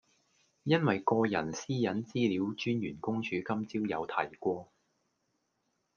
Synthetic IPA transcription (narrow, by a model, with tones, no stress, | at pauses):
jɐ˥nwɐ˨jkɔː˧jɐ̰˨˩nsiː˥jɐ˨˥nt͡siː˥liː˨˥wt͡ʃyː˥njyː˨˩nkʊ˥ŋt͡ʃʰyː˨˥kɐ˥mt͡siː˥wjɐ˨˧wt̪ʰɐ̰˨˩jkʷɔː˧